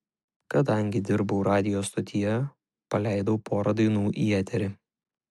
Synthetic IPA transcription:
kɐd̪ɐŋʲɡʲɪd̪ʲɪɾbɐʊɾɑːd̪ʲɪjoːst̪ɔt̪ʲʰɪjɛ | pɐlʲæɪd̪oʊpʰoːɾɐd̪ɐɪnuːʔiːɛːt̪ʲɛɾʲɪ

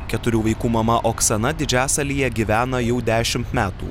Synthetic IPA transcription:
kʲɛt̪ʊɾʲuːʋɐɪkuːmɐmɐʔoːksɐnɐd̪ʲɪd͡ʒʲæːsɐlʲijɛɡʲiʋʲæːnɐjɛʊd̪ʲæːʃʲɪmt̪mʲæːt̪ṵː

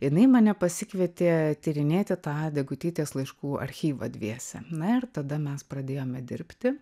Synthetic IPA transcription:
jɪnɐɪmɐnʲɛpɐsʲɪkʋʲɛt̪ʲeːt̪ʲiːɾʲɪnʲeːt̪ʲɪt̪ɑːd̪ʲɛɡʊt̪ʲiːt̪ʲeːslˠɐɪʃkuːɐ̰ɾʲxʲiːʋɐ̰d̪ʲʋʲiɛsʲɛ̰nɐɪɾt̪ɐd̪ɐmʲɛspɾɐd̪ʲeːjoːmʲɛd̪ʲɪɾʲpʲt̪ʲɪ

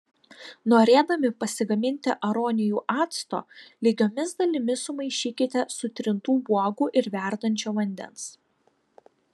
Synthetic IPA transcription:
noːɾʲeːd̪ɐmʲɪpɐsʲɪɡɐmʲɪnʲt̪ʲɪʔɐɾɔːnʲɪjuːʔɑːt̪st̪o̰ːlʲiːɡʲoːmʲɪsd̪ɐlʲɪmʲɪsʊmɐɪʃʲiːkʲɪt̪ʲɛsʊt̪ʲɾʲɪnt̪uːbuɔɡuːʔɪɾʋʲæˑɾd̪ɐnʲt͡ʃʲoːʋɐnʲd̪ʲɛ̰ns

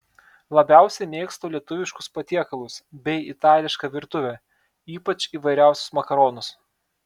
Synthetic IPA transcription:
lˠɐbʲæˑʊsʲɛɪmʲeːkst̪oːlʲiɛt̪ʊʋʲɪʃkʊspɐt̪ʲiɛkɐlˠʊsbʲɛɪɪt̪ɑːlʲɪʃkɐʋʲɪɾt̪ʊʋʲɛ | iːpɐt͡ʃiːʋɐɪɾʲæˑʊsʲʊ̥smɐkɐɾɔːnʊs

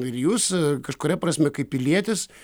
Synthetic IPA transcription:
ɪrjuːskɐʃkʊɾʲɛprɐsʲmʲɛkɐɪppʲɪlʲiɛt̪ʲɪs

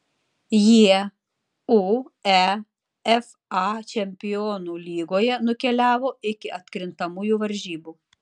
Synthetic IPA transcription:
jiɛ | uæ | ɛf | ɑt͡ʃʲɛmʲpʲɪjoːnuːlʲiːɡoːjɛnʊkʲɛlʲæːʋoːɪkʲɪʔɐt̪ʲkɾʲɪnt̪ɐmuːjuːʋɐɾʲʒʲiːbuː

